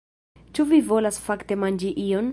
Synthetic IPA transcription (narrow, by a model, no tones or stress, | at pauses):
t͡ʃuvivo̞lasfakte̞mand͡ʒiʔion